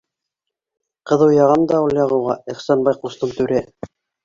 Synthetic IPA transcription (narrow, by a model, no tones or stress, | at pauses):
qɤ̆ðɤwjɑʁɑmd̪ɑulˠjɑʁɤ̆wʁɑiχsɑnbɑjqust̪ɤmt̪ʉɾæ